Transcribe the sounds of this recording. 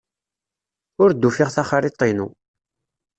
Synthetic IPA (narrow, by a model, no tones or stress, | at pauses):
ʊɾd̪ːufɪʁθaχaɾit̪ˤːinṵ